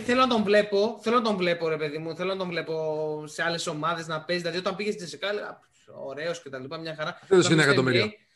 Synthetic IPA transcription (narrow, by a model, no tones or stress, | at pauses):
θe̞lo̞nɐt̪o̞ɱvle̞po̞θelonɐt̪oɱvle̞po̞ɾe̞pe̞ðimuθelonɐt̪oɱvle̞po̞se̞ɐle̞so̞mɐðe̞znɐpesðilɐðio̞t̪ɐmpiʝest̪d͡zesikɐlɣɐ̰p | o̰ɾe̞o̞scet̪ɐlipɐmɲɐxɐɾɐeðoinekɐt̪omiɾi